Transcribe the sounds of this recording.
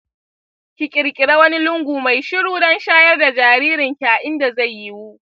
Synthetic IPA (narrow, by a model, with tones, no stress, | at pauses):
kʲɪ˨kʲʼɪ˨ɾkʲʼɪ˨ɽa˦wɐ˦ni˦lʊ˦ŋɡʷuː˨ma˨jʃʊ˦ɽuː˦dɐ˦nʃaː˦jɛ˦rda˨d͡ʒaː˨ɾiː˦ɾɪ˨ŋkʲaː˨ʔɪ˦nda˨za˦˨jːi˦wu˦ʔ